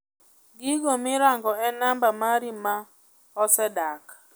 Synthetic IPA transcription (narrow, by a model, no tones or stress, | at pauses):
ɡiɡomɪɾaŋɡɔɛnambamaɾima | ɔsɛdak